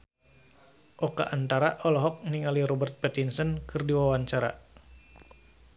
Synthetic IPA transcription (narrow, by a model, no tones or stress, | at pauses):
ʔɔka̰ʔant̪aɾaʔɔlɔɦɔk̚niŋaliɾɔbərt̪̚pɛt̪insənkʰɨrdiwawaɲt͡ʃaɾa̰